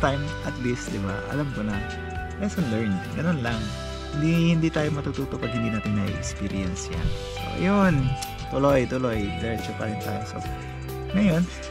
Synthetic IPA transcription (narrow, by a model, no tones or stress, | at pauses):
t̪ajmʔɐt̪list̪̚d̪ɪba̰ʔɐ̰lamkonɐ | lɛsɐnlɛɹnɡɐno̞nlaŋ | hɪnd̪ihɪnd̪iːt̪aːjomɐt̪ut̪uːt̪opɐɡ̚hɪnd̪inaːt̪ɪŋnɐʔḭʔɛ̰kspiːɾɪɛnsja̰ŋ | so̰ʔɐ̰jon | t̪ʊlojt̪ʊlojd̪ɛɹt͡ʃuka̰ɹɛnt̪a̰ːjoso̰ | ŋɐjo̞n